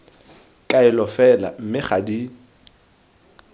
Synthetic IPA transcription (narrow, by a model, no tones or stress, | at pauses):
kʼaɪlɔfɛla̰m̩mɪχadi